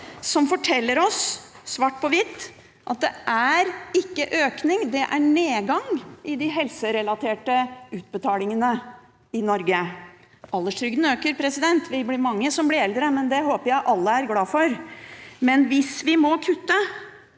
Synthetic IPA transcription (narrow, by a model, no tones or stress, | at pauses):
sɔmfɔʈʰɛlːəɾɔsː | ʋɑːʈ̚pʰɔʋɪt̪ː | ʔɑ̰t̪̚d̪ɛʔæɾɪkːəʔøːknɪŋd̪ɛʔæɳeːɡɑŋʔɪd̪ɪɦɛlsəɾɛlɑt̪ʰeːʈəʉːt̪̚bət̪ʰɑːlɪŋənə | ɪnɔɾɡə | ɑlːəʂʈʰɾʏɡd̪n̩øːkəɾpʰɾɛsɪd̪ɛnt̪ʰʋɪblɪɾmɑŋːəsɔmblɪɾɛld̪ɾəmɛnd̪ɛɦoːpəɾjæɪʔɑlːəæɾɡlɑːfɔɾmɛnʋɪsʋɪmɔkʰʉt̪ːə